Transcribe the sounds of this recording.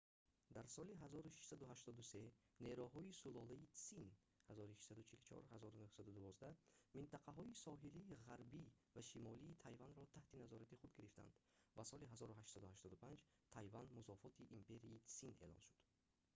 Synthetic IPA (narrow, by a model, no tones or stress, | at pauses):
d̪aɾsɔliɦazɔɾuʃi̥ʃsad̪uhaʃt̪ɔd̪use̞ne̞ɾuɦɔisulɔlaisin | hazɔɾiʃiʃsad̪ut͡ʃʰilut͡ʃʰɔ̰ɾhazɔɾunuhsad̪ud̪uvɔzd̪amint̪ʰaqʰaɦɔisɔɦiliːʁaɾbi | vaʃimɔliːt̪ʰajvanɾɔt̪ʰaht̪inazɔɾat̪iχud̪ɡiɾift̪a̰nd̪̥vasɔliɦazɔɾuɦaʃsɔd̪uhaʃt̪ɔd̪upʰand͡ʒ | t̪ʰajvand̪musɔfɔt̪ʰiʔimpe̞ɾiːsine̞̰lɔ̰nʃud̪̥